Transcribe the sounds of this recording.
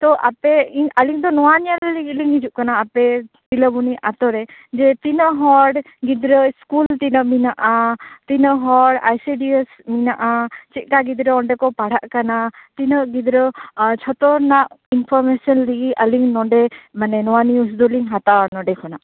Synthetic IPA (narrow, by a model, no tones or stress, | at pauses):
t̪ɔʔapɛialiŋd̪ɔnɔwanialliliŋɡid͡ʒuʔkanaːpɛ | piləbuniʔat̪ɔɾɛd͡ʒɛt̪inəʔɦɔɽ | ɡid̪ɾəskult̪inəʔminaʔat̪inəʔɦɔɖa̰jsiɖiesminaʔat͡ʃit̪̚ˀkaɡid̪ɾəɔɳɖɛkɔpaɽ̤aʔkanat̪inəʔɡid̪ɾət͡ʃʰɔt̪ɔɾnaʔinpʰɔɾmesɔnliɡiəliŋnɔɖɛmanɛnɔwanius̬d̪ɔliŋɦat̪anɔɖɛkʰɔnaʔ